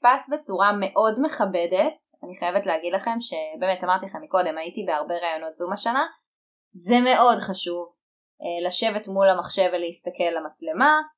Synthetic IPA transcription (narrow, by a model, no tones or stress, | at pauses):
pasbe̞t͡suʁame̞ʔo̞dme̞χabe̞det̚ | aniχajevetleaɡidlaχe̞mʃe̞beːmetamaʁt̪ilaχemːiko̞de̞maitibeaʁbe̞ʁaːjo̞no̞tzumaʃana | zeme̞ʔo̞dχaʃuv | elaʃe̞vetmulamaχʃe̞veleistake̞lːamat͡sle̞ma